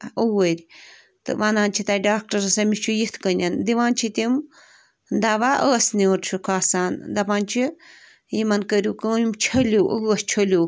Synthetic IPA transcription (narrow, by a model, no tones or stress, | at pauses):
owəɾʲ | t̪ɨ̰ʋanaːnʲt͡ʃʰit̪aːɖaːk̚ʈɐɾɐsɐmit͡ʃʰujit̪ʰkənʲɐnd̪iʋaːnt͡ʃʰit̪im | d̪ɐʋaʔəːsniuɾt͡ʃʰukʰaːsaːnd̪ɐpaːnʲt͡ʃʰi | jimɐnkəɾʲjukɨimt͡ʃʰɐluʔəːst͡ʃʰɐlʲu